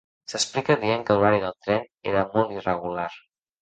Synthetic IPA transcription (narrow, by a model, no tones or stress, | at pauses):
səsplikəðieŋkəluɾaɾiðəlˠt̪ɾɛnḛɾəmɔlˠt̪irəɣulaɾ